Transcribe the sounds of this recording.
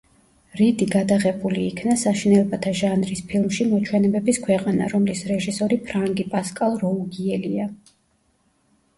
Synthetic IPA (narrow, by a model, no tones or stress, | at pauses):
ɾid̪iɡad̪aʁɛbuliːkʰnasaʃinɛlˠbat̪ʰaʒanɾispʰilˠmʃimɔt͡ʃʰwɛnɛbɛbiskʰwɛqʼana̰ɾɔmlisɾɛʒisɔɾipʰɾaŋɡipʼaskʼalˠɾɔuɡiɛlia